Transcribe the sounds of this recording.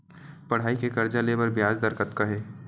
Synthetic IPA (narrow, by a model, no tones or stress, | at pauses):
pɐɽ̤aːikekɐɾd͡ʒaleːbəɾbjaːd͡ʒd̪əɾkət̪kɐɦeː